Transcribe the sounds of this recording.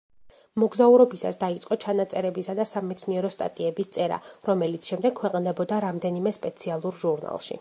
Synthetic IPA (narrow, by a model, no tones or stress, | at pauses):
mɔɡzauɾɔbisa̰sd̪ait̪sʼqʼɔt͡ʃʰanat̪sʼɛɾɛbisad̪asamɛt̪sʰniɛɾɔst̪ʼa̰t̪ʼiɛbist̪sʼɛɾa̰ɾɔmɛlit̪sʰʃɛmd̪ɛɡ̥̚kʰwɛqʼnd̪ɛbɔd̪aɾamd̪ɛnimɛspʼɛt̪sʰialˠuɾʒuɾna̰lˠʃḭ